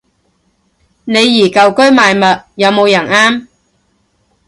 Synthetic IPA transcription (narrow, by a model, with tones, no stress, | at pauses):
ne˨˧jːiː˨˩kɐ˨wkɵ˥ɥmaː˨jmɐ˨t̚jɐ˨˧wmo˨˧wjɐ˨˩naː˥m